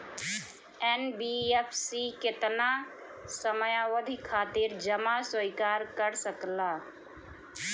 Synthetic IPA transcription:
ɛnbiːɛpʰsikɪt̪na | səməjawəd̪ʱikʰːaːt̪ɪɾd͡ʒəmasəɪkaːɾkəɾsəklaː

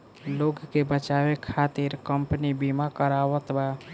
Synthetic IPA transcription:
loɡkebət͡ʃabekʰat̪iɾkəmpənibimakəɾawət̪ba

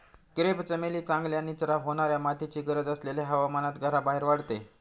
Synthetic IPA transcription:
kɾept͡səmeliːt͡sãŋɡljanitəɾaɦoɽ̃aɾjamat̪ʰit͡ɕiːɡəɾəd͡zəsleljaɦəʋamanat̪ɡʱəɾabaɦeɾʋaɽt̪e

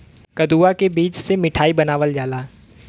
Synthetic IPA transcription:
kɐd̪uːakebiːt͡ʃsemɪʈʰaːibɐnaːʋəld͡ʒaːlaː

